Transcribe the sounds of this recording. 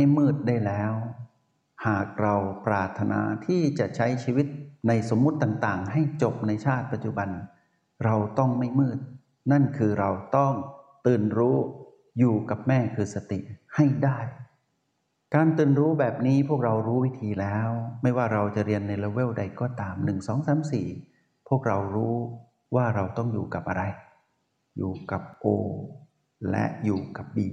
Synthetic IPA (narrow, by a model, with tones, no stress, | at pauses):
ma˥˩jmɯː˥˩t̪̚daː˥˩jlɛː˦˥w | haː˨˩k̚ɾa˧wpɾaː˨˩t̪ʰːa˧nʔa̰ː˧t̪ʰiː˥˩t͡ɕa˨˩ʔt͡ɕʰa˦˥jt͡ɕʰiː˧wi˦˥t̪̚na˧jso˩˦mːu˦˥t̪ːaː˨˩ŋt̪aː˨˩ŋɦa˥˩jt͡ɕo˨˩p̚na˧jt͡ɕʰaː˥˩t̪̚pa˨˧t̪̚t͡ɕu˨˧˩ba˧n | ɾa˧wt̪ɔ˥˩ŋma˥˩jmɯː˥˩t̪̚ | na˥˩nkʰɯː˧ɾa˧wt̪ɔ˥˩ŋt̪ɯː˨˩nɾuː˦˥ | juː˨˩ka˨˩p̚mɛː˥˩kʰɯː˧sa˧t̪ḭ˨˩ʔha˥˩jdaː˥˩j | kaː˧nt̪ɯː˨˩nɾuː˦˥bɛː˨˩p̚niː˦˥pʰu˥˩ək̚ɾa˧wɾuː˦˥wi˦˥t̪ʰiː˧lɛː˦˥wma˥˩jwaː˥˩ɾa˧wt͡ɕa˨˩ʔɾi˧ənːa˧jloː˧we˥˩wda˧jkɔː˥˩t̪aː˧mnɯ˨˩ŋsɔː˩˦ŋsaː˩˦msiː˨˩ | pʰu˥˩ək̚ɾa˧wɾuː˦˥ | waː˥˩ɾa˧wt̪ɔ˥˩ŋjuː˨˩ka˨˩p̚ʔa˧ɾa˧j | jṵː˨˩ka˨˩p̚ʔoː˧ | lɛ̰˦˥ʔjuː˨˩ka˨˩p̚biː˨˩